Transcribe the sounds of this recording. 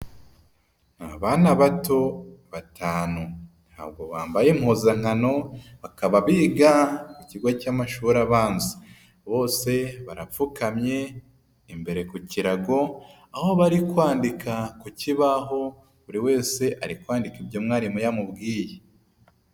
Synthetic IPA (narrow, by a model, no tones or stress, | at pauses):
naβanaβato̞βatʰaːnu | n̥ha̰ːbɡo̞βaːmbajemhoːzaŋ̥hano̞βakaβaβiːɡakuciɡwacaːmaʃuːɾaβaːnzi | βo̞ːse̞βaɾafukamɲe̞ | imbe̞ɾe̞kuciɾaɡo̞ | aho̞βaɾikwaːndikʰakuciβaɦo̞ | uɾiwe̞ːse̞ʔaɾikwaːndikibjomŋaːɾimujamubɡiːje